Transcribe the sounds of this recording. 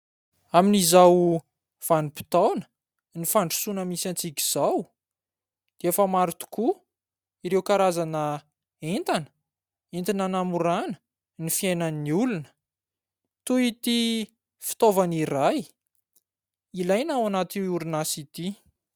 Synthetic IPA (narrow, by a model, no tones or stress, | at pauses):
aminizaw | v̥anipi̥t̪awnə̥ | nifaɳɖ͡ʐu̥sunəmisant͡sikʲi̥z̥aw | d̪̥eefəmaɾit̪u̥ku | iɾewkaɾazanə | ent̪anə̥ | ent̪inanamuɾanə̥ | nifiajnəniulunə̥ | t̪uit̪i | fi̥t̪ovaniɾaj | ilajnawanat̪iuɾunasit̪i